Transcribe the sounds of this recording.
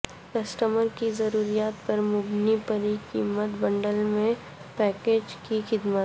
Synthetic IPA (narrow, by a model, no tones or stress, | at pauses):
kɐsʈəməɾkizɐɾuːɾijaːt̪pɐɾmʊbnipəɾikḭːmət̪bɐ̃ɳɖəlmẽ | pɛːkeːd͡ʒkixɪd̪mət̪